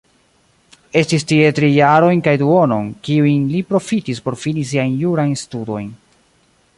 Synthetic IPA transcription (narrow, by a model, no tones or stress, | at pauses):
e̞stistie̞tɾijaɾo̞jnkajduo̞no̞̰nkiujnlipɾo̞fitispo̞ɾfinis̬iajnjuɾajnstudo̞jn